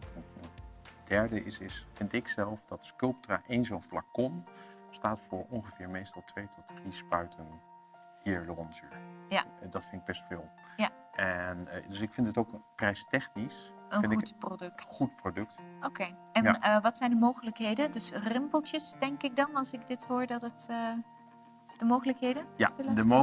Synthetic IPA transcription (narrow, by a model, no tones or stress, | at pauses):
tənəndɛɹdəʔɪsɪsfɪntɪksɛlˠfdɑtskɵlˠp̚traːʔejnzonflakɔn | staːtfʊːɹɔnχəvɪːɹmejstɑlˠtʋejtʰɔtdrispœɥtʰən | hiːɹloɔnzə̰ɹjadɑtfɪnɪɡ̚bɛstfɪːlˠ | ja | ɛndɵsɪkfɪndɪtowkprɛjstɛχnis | əəɪnɪutprodɵktχut̚prodɵktokej | ɛnəʋɑtsɛjndəmowχələkɦejdəndɵsrɪmpəlˠtjəsdɛŋkɪk̚dɑnɑlˠsɪɡ̚dɪtɦʊːɹdɑtətə | dəmowχələkɦejdəja̰fɪlədəo